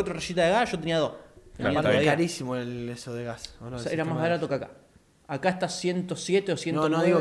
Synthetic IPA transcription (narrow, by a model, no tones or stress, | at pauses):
ot̪ɾoraʃit̪aðeɣasʒo̞t̪̬eniaðot̪eniaokaɾisimoelesoðeɣasonoeɾamaβaɾat̪okeaka̰ | akaeht̪asje̞nt̪osjet̪eosjennoðiɣo